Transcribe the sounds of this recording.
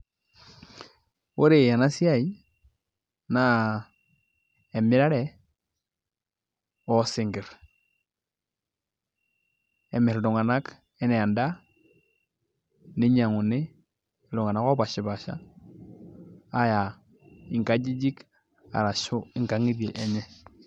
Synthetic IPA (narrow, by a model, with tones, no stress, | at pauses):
wo˦ɾe˨ja˨na˦si˦a˦i˦ | na˦ | e˨mi˦ɾa˦ɾɛ˨ | ɔ˦sɪ˨ŋɡɪ˨ɾ | ɛ˨mɪ˨ɾdu˨ŋa˨na˦k | ɛ˦nɛ˨ja˨nda˦ | ni˦ɲa˨ŋu˨nɪ˦˨ | lu˨ŋa˨na˦kɔ˦ba˨ʃi˨ba˨ʃa̰˦ | ja˨ | i˨ŋka˦d͡ʒi˦d͡ʒi˦k | a̰˨ɾa˨ʃʊ˦i˨ŋka˨ŋi˦de˨ʔɛ˨ɲɛ˦